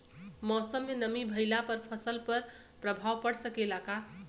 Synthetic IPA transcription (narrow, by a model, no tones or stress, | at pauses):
mɔsəmːenəmibʱəjlapəɾpʰəsəlpəɾ | pɾəbʱawpəɽsəkelaka